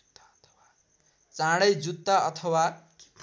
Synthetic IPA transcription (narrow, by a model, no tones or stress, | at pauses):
t͡sãɽʌjd͡zut̪ːaʌt̪ʰʌwa